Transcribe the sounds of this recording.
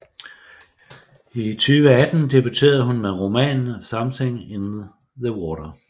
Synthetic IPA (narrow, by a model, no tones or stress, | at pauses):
it͡sʰyːʋəæd̥n̩d̥e̝b̥yt͡sʰe̝̰ːɐð̞̩ˠɦunmeʁo̝mɛ̰ːnsɑ̈mseŋ̰enð̩ | ðəwɒːɾɐ